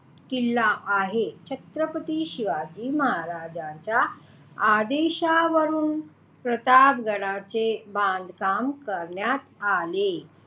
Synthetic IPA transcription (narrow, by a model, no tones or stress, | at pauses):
kilːaaɦet͡ɕʰət̪ɾəpət̪iːɕiʋad͡ʑiːməɦaɾad͡ʑãt͡ɕja | ad̪eɕaʋəɾuːn | pɾət̪abɡəɽ̃at͡sebãnd̪kamkəɾɳjat̪ale